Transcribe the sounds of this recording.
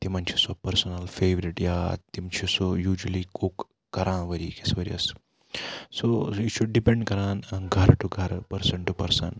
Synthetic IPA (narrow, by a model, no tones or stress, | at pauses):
t̪imɐnt͡ʃʰisɔpɐɾsɔnɐlfeːʋɾiʈjaːt̪imt͡ʃʰisojuːd͡ʒɐlikukː | ɐɾʔãːʋəɾikesʋəɾḭɐ̰s | soiʈʃʰuɖɖipẽɳɖkɐɾãːnɐnɡʱɐɾʈuɡʱɐɾpɐɾsɐ̃ɳʈupɐɾsɐ̰n